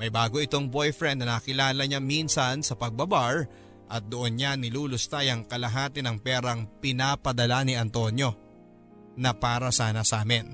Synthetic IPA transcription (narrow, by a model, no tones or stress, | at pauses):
mɐjbaːɡo̞ɪt̪o̞ŋbo̞jfɾɛnd̪nɐnɐkɪlaːlɐɲaminsɐnsɐpɐɡ̚bɐbaɹ | ʔɐt̪̚d̪oʔonɲanɪluːlost̪ajɐŋkɐlɐɦaːt̪ɪnɐŋpɛːɾɐŋpɪnaːpɐd̪ɐlanɪʔɐnt̪o̞njo̞ | nɐpaːɾɐsaːnɐsaːmɪn